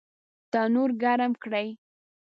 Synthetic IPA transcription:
t̪ɑnoɾɡaɾamkɽaj

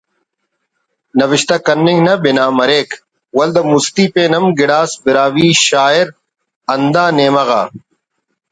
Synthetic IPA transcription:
nɐʋɪʃt̪ɐkɐnːɪŋɡnɐbɪnaːmɐɾeːk | wɐld̪ɐmust̪iːpẽːnɐmɡɪɽaːsbɪɾaːwiːʃaːɪɾ | ɐnd̪aːneːmɐɣa̰ː

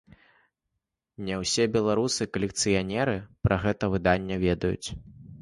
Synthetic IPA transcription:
nʲɛwsʲɛbʲɛlˠaɾusɨkɐlʲɛk̚t̪sɨjanʲɛɾɨpɾʔɐɣɛt̪ɐvɨd̪anʲːɛvʲɛd̪ɐjṵt͡sʲ

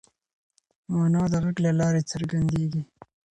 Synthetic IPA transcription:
mɑnɑd̪əɣaɡlalɑɾet͡səɾɡand̪eɡi

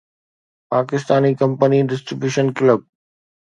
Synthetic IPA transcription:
paːkɪst̪aːnikɐ̃mpəniɖɪsʈɾɪbjuːʃənkɪləb̚

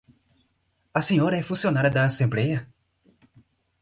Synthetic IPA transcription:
ɐsẽɲɔɾɐɛfũsionaɾjɐd̪ɐːsẽmblɛjɐ

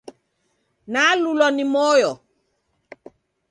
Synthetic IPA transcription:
nalulɔnimɔjɔ

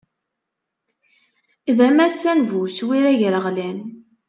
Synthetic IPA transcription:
iðæmæsænvuswiɾæʝɾəʁlæn

